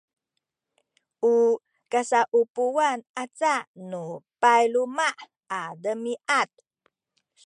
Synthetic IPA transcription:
ʔu | kasaʔupuwanʔat͡saʔnupajlumaʔ | adəmiʔat̪̚

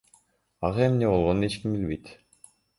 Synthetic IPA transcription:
aʁɑemneːbɔlˠʁɔneːt͡ɕkimbilʲbejt̪

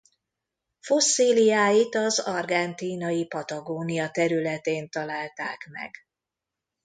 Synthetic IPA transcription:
fo̞sːiːlijaːjit̪ɒzɒrɡɛnt̪iːnɒjipɒt̪ɒɡoːnijɒt̪ɛɾylɛt̪eːnt̪ɒlaːlt̪a̰ːkmɛ̰ɡ

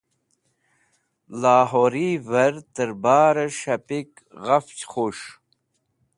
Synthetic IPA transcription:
laːɦoɾivɐɾt̪əɾbaːɾɐʂɐpik | ɣɐft͡ɕχoʂ

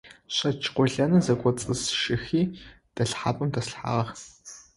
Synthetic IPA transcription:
ɕɐt͡ʃʰʼqʷɔɮɐnɐzɐkʷʼɔt͡sʼɨsʃɨxiː | d̥ɐɬħa̰ːpʼɨmdɐsɬħa̰ːʁɐx

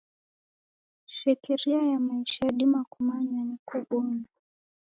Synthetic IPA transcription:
ʃɛkiɾiajamaiʃaɗimakumaɲanikuɓɔna

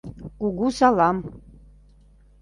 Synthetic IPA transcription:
kuɣusɑlˠɑm

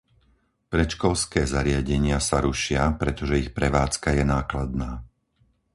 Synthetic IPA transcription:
pɾɛt͡ʃkɔlskɛːzaɾɪaɟɛɲɪasaɾuʃɪapɾɛt̪ɔʒɛixpɾɛʋaːt͡skajɛnaːklad̪̚naː

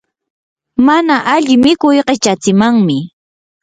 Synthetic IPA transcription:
manaʔaʎɪmɪkʊjqet͡ʃat͡sɪmaŋmɪ

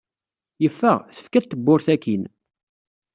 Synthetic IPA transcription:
jəfːəʁθə̥fkæt̪ːəbːʊɾθækin

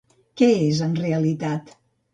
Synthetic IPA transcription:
kɛezənreəlit̪at̪

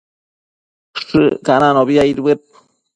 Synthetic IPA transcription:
ʂɨkananoβiaiɾbep̚

